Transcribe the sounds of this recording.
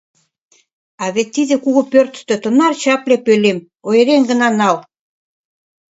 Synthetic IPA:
ɑβet̪ːiðĕkuɣopørt̪t̪ø̆t̪ə̆nɑrt͡ɕɑplepølem | ojeɾeŋɡənɑnɑl

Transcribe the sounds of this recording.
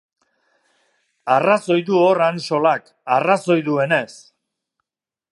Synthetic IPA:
araso̞jd̪uoranʃo̞lak | araso̞jðue̞ne̞s

